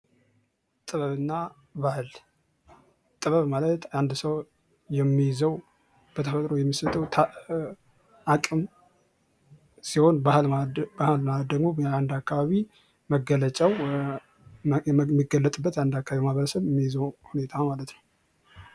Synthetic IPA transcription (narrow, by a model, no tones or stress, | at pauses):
t̪ʼɨβəβɨnːa | bahɨl | t̪ʼɨβəβmalət̪and̪səw | jɛmːijɪzəw | b̥ət̪ʰəfət̪ʼɾo̞jɛmːisət̪ʰəwt̪ʰ | ʔakʼɨm | siho̞nbahlbahɨlmad̪əɡmoand̪akːaβaβi | məɡələt͡ʃʼaw | mːiɡəlːət̪ʼɨbːət̪jand̪akːaβaimahβəɾəsəβjɛmːijzəwhune̞t̪ʰamalət̪nəw